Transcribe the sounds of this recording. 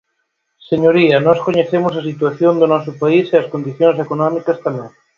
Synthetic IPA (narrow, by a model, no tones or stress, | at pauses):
seɲoɾiɐnɔskoɲeθemʊs̬ɐsit̪waθjond̪ʊnɔsʊpaiseɐskond̪iθjõŋs̬ekonɔmikɐst̪amɛ̃ŋ